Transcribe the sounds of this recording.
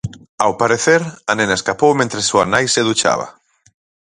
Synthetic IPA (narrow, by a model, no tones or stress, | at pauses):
awpaɾeθeɾanẽnaeskapowmẽnt̪ɾesuanajseðut͡ʃa̰βa̰